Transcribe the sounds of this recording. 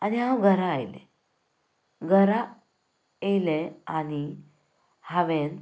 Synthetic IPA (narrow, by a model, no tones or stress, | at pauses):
aniɦãwɡʱəɾãːjlḛ | ɡʱəɾã | ejleani | haʋen